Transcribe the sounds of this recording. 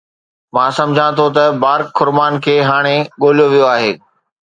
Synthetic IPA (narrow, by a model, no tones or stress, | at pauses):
mãːsɐ̃md͡ʑʱãt̪ʰot̪ɐbaːɾkʰːʊɾmaːnkʰeːɦaːɽ̃eɠoːlijoʋijoaːɦeː